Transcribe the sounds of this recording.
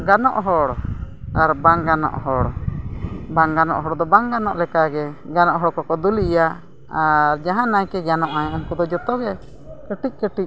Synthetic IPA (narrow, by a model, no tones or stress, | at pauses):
ɡanɔʔɦɔɽ | aɾbaŋɡanɔ̰ʔɦɔɽ | baŋɡanɔ̰ʔɦɔɽd̪ɔbaŋɡanɔʔlɛkaɡɛɡanɔʔɦɔɽkɔkɔd̪ulija | aɾd͡ʒaɦãnajkɛɡanɔʔajɔmkud̪ɔd͡ʒɔt̪ɔɡɛ | kəʈic̚ˀkəʈic̚